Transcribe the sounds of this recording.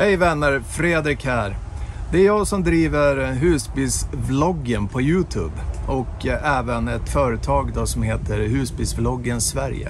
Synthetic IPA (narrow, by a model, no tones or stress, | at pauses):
hɛjvɛnːəɾfɾeːd̪ɾɪkhæɾ | d̪ɛæɾjɑːsɔmd̪ɾiːvəɾɦʉ̟ːsbɪːlsblɔɡːənpʰɔjʉ̟ːt̪ʰʉ̰ːbɔkɛːvənɛt̪fœːɾət̪ʰɑːɡd̪osɔmɦeːt̪ʰəɾɦʉ̟ːsbɪlsblɔɡːənsvæɾjə̰